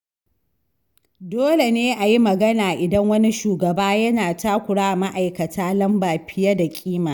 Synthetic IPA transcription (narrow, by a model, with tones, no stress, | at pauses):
doː˦le˨neː˦ʔa˨ji˦mɐ˨ɡɐ˦naː˨ʔɪ˨dɐ˦ŋwɐ˦ni˦ʃuː˨ɡɐ˨baː˦jɐ˦naː˨taː˦kʷʊ˨ɽaː˦ʔma˦ʔa˨jkɐ˨tʰaː˦lɐ˦mbaː˨ɸɪ˦jɐ˦da˨kʲʼiː˦maː˨